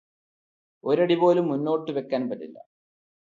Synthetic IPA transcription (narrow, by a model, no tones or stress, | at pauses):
o̞ɾɐɽipo̞ːlumːunːo̞ːʈːɨʋe̞kːaːnpɐtːilːɐ̰